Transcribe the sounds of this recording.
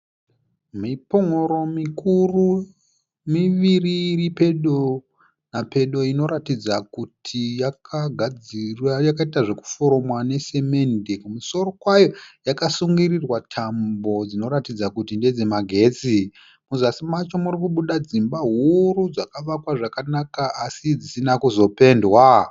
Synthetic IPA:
mipoŋoɾo̞mikuru | miʋiriripe̞ɗo | nape̞ɗo̞ino̞ɾatid͡zakutʰijakʰaɡʱad͡zirwajakaitaʐe̞ku̥foɾo̞mwane̞se̞me̞ndekumuso̞ro̞kwajo̞jakasuŋɡirirwatʰambo̞d͡zino̞ɾatid͡zakutinded͡ze̞maɡʱe̞t͡si | muzasimat͡ʃomurikuɓuɗad͡zimbaɦuɾud͡zakaʋakwaʐakanakaasid͡zisinakuzo̞pe̞ndwa

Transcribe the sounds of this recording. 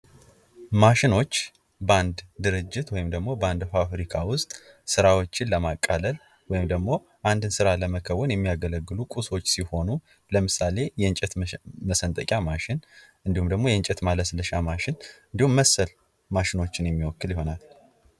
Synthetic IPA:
maʃɪno̞t͡ʃː | bəand̪d̪ɨɾɨd͡ʒːɪt̪wɔjɪmd̪əɡmo̞bəand̪fafɾikʰawʊst̪ʼ | sɨɾawo̞t͡ʃːɪnləmakʼːaləl | wɔjɪmd̪əɡmo̞ | ʔand̪ɨnsɨɾaləməkʰəwɔnjɛmːijaɡələɡːɨlukʼuso̞t͡ʃːsiho̞nu | ləmɨsale̞jɛɨnt͡ʃʼɛt̪məsənt̪ʼəkʼjamaʃɪnʔɨnd̪ihumd̪əɡmojɛɨnt͡ʃʼɛt̪maləsləʃamaʃɪnɨnd̪ihumːəsːəl | maʃɪno̞t͡ʃːɪnjɛmːiwɔkːɨljɪɦo̞nal

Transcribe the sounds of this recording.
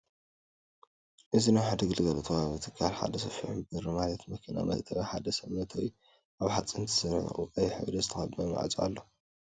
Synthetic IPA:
ʔɨzinaħad̪ɨɡɨlɡɐlɐt̪ʰɐwaβɨt̪ʰɨ̥kʰːalħa̰d̪ɐsɐfiħubɨɾɨmalɐt̪mɐkʰina̰mɐ̰t̪ʰɐβaħad̪ɐsɐβnɐt̪ʰɐwi | ʔaβħat͡sʼɨnt̪ʰɨ̥sɐnʕṵɨkʼɐjħɨ̰wd̪ɐzɨt̪ʰɐxɐd̪mɐma̰ʕzʼʔa̰lːo

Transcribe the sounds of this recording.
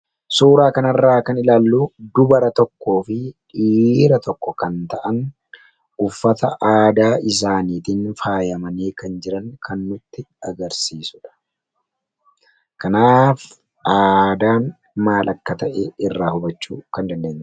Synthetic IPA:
suːɾaːkɐnɐrːaːkɐnɪlaːlːuːd̪ʊbɐɾɐt̪ɔkːo̞ːfɪᶑiːɾɐt̪ʰɔkːɔkɐnt̪ɐʔɐn | ʊfːɐt̪ɐʔaːd̪aːʔɪs̬aːniːt̪ɪnfaːjɐmɐneːkɐnd͡ʒɪɾɐŋkʰɐnːʊt̪ːɪɐɡɐɾsiːsʊᶑɐ̥ | kɐnaːf | ʔaːd̪aːn | maːlʔɐkːɐt̪ɐʔeɪrːaːhʊbɐt͡ʃːuːkɐnd̪ɐnd̪e̞ːɲːɐ

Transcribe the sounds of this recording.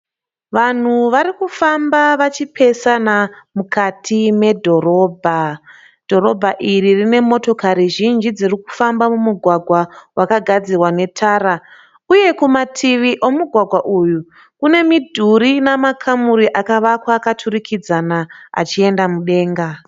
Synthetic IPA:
ʋan̤uʋaɾikufambaʋat͡ʃipʰe̞sanamukʰatʰime̞dʱo̞ɾo̞ːbʱa | d̥ʱo̞ro̞bʱaʔiririne̞mo̞to̞kaɾiʒind͡ʒid͡ziriku̥fambamumuɡʱwaɡʱwawakaɡʱad͡ziwane̞tʰaɾa | uje̞kumatʰiʋiʔo̞muɡʱwaɡʱwaʔuju | kune̞midʱuɾinamakʰamuɾiʔakaʋakwaːkatʰurikid͡zanaa̰t͡ʃie̞ndamuɗe̞ːŋɡa

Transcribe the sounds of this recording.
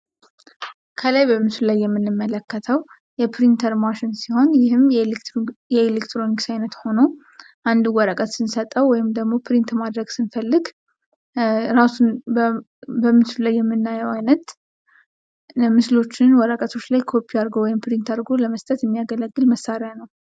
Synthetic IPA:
kʰəlajbəmɨslulajːɛmːɨnːɨmːələkːət̪ʰəw | jɛpʰɾint̪ʰəɾmaʃɪnsiho̞njɪhɨmj | jɛelekt̪ɾo̞niksajnət̪ho̞no | ʔand̪uwɔɾəkʼət̪sɨnsət̪ʼəwːɔjɪmd̪əɡmo̞pʰɾint̪mad̪ɾəɡsɨnfəlːɨɡ | ɾasunb | bəmɨslulajːɛmːɨnːajəwajnət̪ | mɨslo̞t͡ʃːɪnwɔɾəkʼət̪ʰo̞t͡ʃːlajkʰo̞pʰːiaɾɡowɔjɪmpɾint̪aɾɡoləməst̪ʼət̪jɛmːijaɡələɡːɨlməsːaɾjanəw

